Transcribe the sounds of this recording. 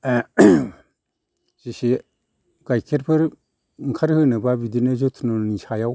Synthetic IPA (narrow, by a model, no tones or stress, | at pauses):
sisi | ɡajkʰeɾpʰɯɾ | ŋ̩kʰaɾhɯnababidinəzotʰunonisajaw